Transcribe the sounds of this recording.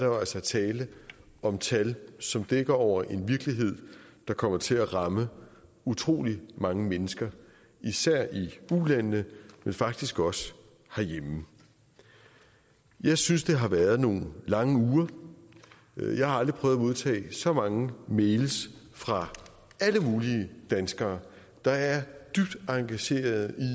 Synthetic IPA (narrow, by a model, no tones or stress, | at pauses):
dɑælsɐt͡sʰɛːlə | ɒ̽mt͡sʰælsɒ̽md̥eɡ̥ɐɒʊ̰ɐʔe̝nʋiɐɡ̥liɦe̝ð̞̰ˠd̥ɑ̈kʰɒ̽m̰ɐt͡sʰe̝læʁɑ̈mə | ut͡sʰʁo̝̰ːlimɑ̈ŋəmenəsɡ̥ɐ | isæɐ̰iulænːəmenfɑ̈ɡ̥̚d̥isɡ̥ɒ̽sə̥ | hæɐjem | jɑ̈ɪsynsd̥e̝ɦɑ̈ʋæɐð̞ˠno̝̰ːn̩lɑ̈ŋəuːɐ | jɑ̈ɪhɑ̈ɑ̈ld̥ʁipʰœːʊðˠæmo̝ð̞ˠt͡sʰɛ̰ːsɒ̽mɑ̈ŋəmeɪlsfʁɑ̈ | æləmuːliəd̥ænsɡ̥ɐː | d̥ɑ̈æɐd̥yb̥̚d̥ɑ̈ŋɡ̥æɕe̝̰ːɐð̩ˠi